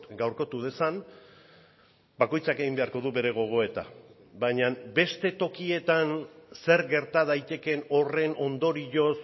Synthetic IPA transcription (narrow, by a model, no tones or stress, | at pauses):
ɡawɾko̞t̪uð̞e̞san | bako̞jt͡sake̞ɣimbe̞aɾko̞ðuβe̞ɾe̞ɣ̞o̞ɣ̞o̞e̞t̪a̰ | bajɲambe̞st̪e̞t̪o̞kie̞t̪anse̞ɾɡe̞ɾt̪aðajt̪e̞ke̞no̞re̞no̞nd̪o̞ɾiʝo̞s